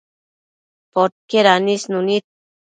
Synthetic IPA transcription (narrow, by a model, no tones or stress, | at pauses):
pot̪̚keɾanisnunit̪̚